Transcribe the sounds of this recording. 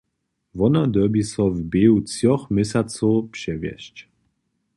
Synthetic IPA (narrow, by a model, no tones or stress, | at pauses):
vɔnad̪ɔbisɔvbeut͡sjɔxmɛsʲat͡sɔwpʂɛvjɛ̰ɕt͡ɕ